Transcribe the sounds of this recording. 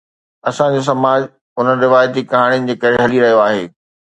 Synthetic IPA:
ɐsãd͡ʑos̬ɐmaːd͡ʑ | ʊnəɾɪʋaːjət̪̬ikɐɦaːɽ̃iʊnɪ̆d͡ʑeːkɐɾeɦɐliɾɐɦijoaːɦeː

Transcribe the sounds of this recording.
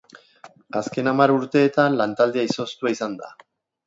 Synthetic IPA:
aske̞namaɾuɾt̪e̞ːt̪anlant̪ald̪eaiso̞st̪uaisand̪a̰

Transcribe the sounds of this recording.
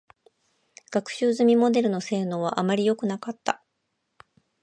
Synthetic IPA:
ɡ̥akɯ̟̥ɕɨːzɨmʲimo̞d̪e̞ɾɯ̟no̞se̞ːno̞ːβ̞a̰ʔamaɾʲijo̞kɯ̟nakat̪ːa

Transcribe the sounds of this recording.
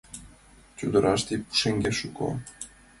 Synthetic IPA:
t͡ɕud̪ə̆ɾʔɑʃt̪ipu̥ʃeŋɡʲeʃuko̰

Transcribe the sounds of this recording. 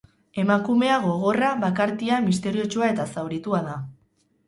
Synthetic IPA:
e̞makume̞aɣo̞ɣ̞o̞raβakaɾt̪iamist̪e̞ɾio̞t͡ʃuae̞t̪asawɾit̪uaða

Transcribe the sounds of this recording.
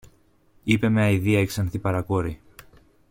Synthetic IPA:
ipe̞meɐiðiɐeksɐnθipɐɾɐkoɾi

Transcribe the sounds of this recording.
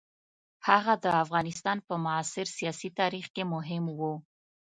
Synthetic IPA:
haɣad̪əafɣɑnɪst̪ɑnpəmʊɑsɪɾsijɑsit̪ɑɾixkemʊɦɪmwu

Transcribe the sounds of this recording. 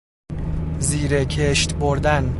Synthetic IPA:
ziːɾekʰeʃt̪boɾd̪æn

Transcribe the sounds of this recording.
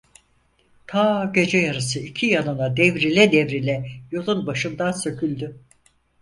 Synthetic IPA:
t̪ʰaːɟe̞d͡ʒɛjaɾɯs̬ɯicʰijanɯnad̪evɾilʲɛd̪ɛvɾilʲɛjo̞lˠunbaʃɯnd̪ansø̞cʰylʲd̪y

